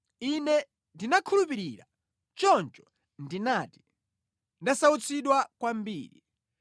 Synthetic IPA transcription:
inɛ | ndinakʰulup̬iɾiɾa̰ | t͡ʃɔnt͡ʃɔ̥ | ndinati̥ | ndasaut͡sʰiɗwakwambḭːɾḭ

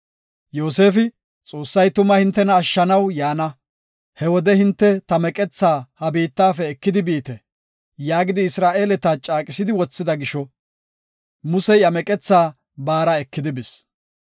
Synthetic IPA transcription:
joːse̞ːfɪ | t͡sʼo̞ːsːɐjt̪ʊmɐhɪnt̪ːɛnɐːʃːɐnɐwjaːnɐ | hɛwɔd̪ɛhɪnt̪ːɛt̪ɐmɛkʼɛt͡sːaːhɐbiːt̪ːaːfɛːkːɪd̪ɪbiːt̪ɛ | jaːɡɪd̪ɪːsɾaːʔe̞ːlɛt̪at͡ʃʼaːkʼɪsɪd̪ɪwɔt͡sːɪd̪ɐɡɪʃɔ | mʊsɛjɐmɛkʼɛt͡sːaː | baːɾaɛkːɪd̪ɪbɪs

